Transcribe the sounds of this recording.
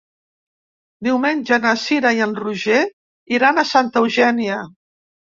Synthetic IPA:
d̪iwmenʲʒənəsiɾajənruʒe | iɾanəsant̪əwʒɛniə

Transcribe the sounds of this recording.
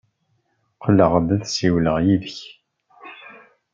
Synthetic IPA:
qʰləʁðæðsiwləʁjiðəç

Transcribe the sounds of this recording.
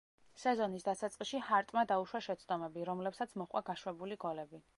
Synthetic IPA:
sɛzɔnisd̪asat̪sʼqʼiʃihaɾt̪ʼmad̪auʃwaʃɛt̪sʰd̪ʼɔmɛbiɾɔmlɛpsat̪sʰmɔχʼwa̰ɡaʃwɛbuliɡɔlɛbi

